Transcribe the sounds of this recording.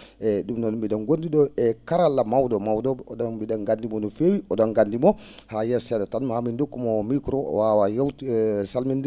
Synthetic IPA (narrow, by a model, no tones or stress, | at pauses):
ɛɗumnɔnɔmbiɗɔnɡondiɗɔɛkaɾalːamawdɔmawdɔbɛɔdɔnbiɗanɡandimɔnɔfewiʔɔdɔnɡandimɔhajɛsɛdatanmhamindokːumɔmikɾɔ̰wawajawtsalmind